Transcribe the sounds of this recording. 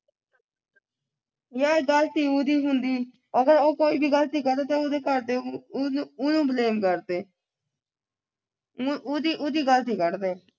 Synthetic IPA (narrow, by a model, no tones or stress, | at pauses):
jaːɡəlt̪iːuːd̪iːɦʊnd̪iː | əɡəɾoːkoːiːbʱiːɡəlt̪iːkəɾd̪eːt̪aːoːd̪eːkəɾd̪eː | ʊnũːbleːmkəɾd̪eː | oːd̪iːʔʊːd̪iːɡəlt̪iːkəɾd̪eː